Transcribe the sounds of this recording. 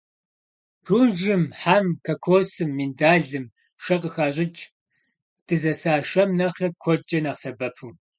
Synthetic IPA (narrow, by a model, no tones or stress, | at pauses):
pʰuːnʒɨmħaːmkʰɐkʷʰoːsɨmːindaːɮɨm | ʃɐqʼəxaːɕʼɪt͡ʃʼ | d̥ɨzɐsaːʃɐmnɐχɐkʷʰɔt͡ʃʼɐnɐqsɐbɐpʰuː